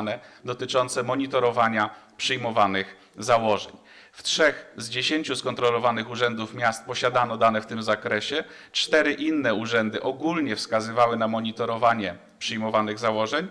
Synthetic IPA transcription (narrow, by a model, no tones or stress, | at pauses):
nɛd̪ɔt̪ɘt͡ʂɔnt̪sɛmɔɲit̪ɔɾɔvaɲapʂɘjmɔvanɘx | zawɔʐɛ̰ɲ | ftʂɛxzd͡ʑeɕeɲt͡ɕuskɔnt̪ɾɔlɔvanɘxuʐɛnd̪ufmʲjast̪̚pɔɕad̪anɔd̪anɛft̪ɘmzakɾɛɕɛ | t͡ʂt̪ɛɾɘʔinːɛuʐɛnd̪ɘʔɔɡulɲɛfskazɘvawɘnamɔɲit̪ɔɾɔvaɲɛ | pʂɘjmɔvanɘɣzawɔʐɛɲ